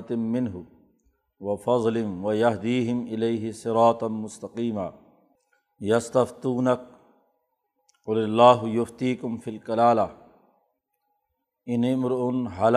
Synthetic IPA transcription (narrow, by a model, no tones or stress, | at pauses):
t̪mɪnɦʊ | wɐfɑd̪ˤlɪnwajaɦd̪iːɦɪmʔɪlejɦɪsˤɪɾɑːt̪ˤmʊst̪ɐqiːmaː | jɐst̪ɐft̪ˤuːnak̚ | qʊlɪlːaːɦjʊft̪iːkʊmfilkalaːla | ɪnimɾʔʊnɦal